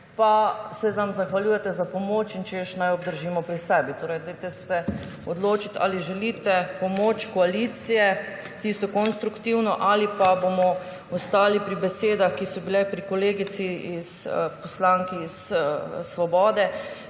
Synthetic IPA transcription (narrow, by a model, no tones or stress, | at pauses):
pasɛzamzaxʋaljuːjɛt̪ɛzapɔmoːt͡ʃint͡ʃɛjəʃnajɔb̚d̪əɾʒiːmɔpɾisɛːbit̪oːɾɛjd̪ajt̪ɛst̪ɛ | ɔd̪loːt͡ʃit̪ʰa̰liʒɛlit̪ɛpɔmoːt͡ʃkɔaliːt̪sijɛ | t̪ist̪ɔkɔnst̪ɾukt̪iwnɔʔalipabomɔ | ɔst̪aːlipɾibɛseːd̪axkisɔbilɛpɾikoleːɡit̪siispɔslaŋkiːssʋɔbɔːd̪ɛ